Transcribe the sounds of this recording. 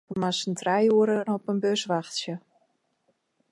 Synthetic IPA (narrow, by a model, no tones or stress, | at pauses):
əmasəntrɛjuəɾənɔpənbøsʋaxtsjə